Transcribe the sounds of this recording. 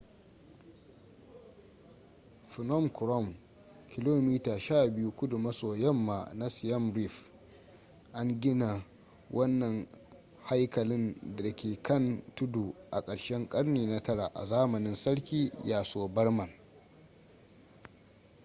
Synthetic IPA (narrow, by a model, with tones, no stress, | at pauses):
fɪ˨nɔ˦˨mkɾɔ˦˨m | kʲɪ˨loː˦miː˦taː˨ʃaː˦˨bɪ˦ju˦kʷʊ˦dʊ˨mɐ˦soː˨jɐ˦mːaː˨na˦sɪ˨jɐ˦mɾi˦˨f | ʔa˦ŋɡʲɪ˦na˨ | wʔɐ˦nːɐ˨ŋ | ha˦jkɐ˨lɪ˦nda˨kʲeː˨kʰɐ˦ntʊ˦du˨ʔa̰˨kʼɐ˨ɽʃɛ˦ŋkʼɐ˦ɽneː˨na˦tɐ˦ɽa˨ʔa̰˨zaː˦mɐ˨nɪ˦nsɐ˦ɽkʲiː˦jaː˨soː˦bɐ˦ɽmɐ˨n